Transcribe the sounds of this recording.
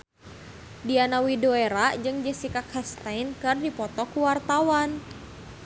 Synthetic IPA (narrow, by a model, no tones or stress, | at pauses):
dianawidoeɾad͡ʒɨŋd͡ʒəsikakʰhɛst̪ainkɨrdipɔt̪ɔkuwart̪awan